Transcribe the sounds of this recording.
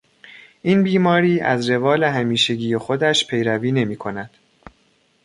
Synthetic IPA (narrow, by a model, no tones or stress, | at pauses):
ʔiːnbiːmɒːɾiːæ̰zɾe̞vɒːleɦæmiːʃe̞ɟiːjexo̞d̪æʃpʰe̞jɾæviːne̞miːkʰo̞næd̪̥